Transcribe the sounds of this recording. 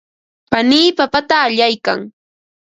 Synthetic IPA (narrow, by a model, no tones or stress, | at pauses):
paniːpapat̪aːʎajka̰ŋ